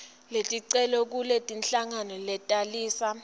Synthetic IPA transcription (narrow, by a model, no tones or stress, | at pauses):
letʼiǀɛlɔk̬ulɛtʼinɬaŋanɔlɛtʼaliːsa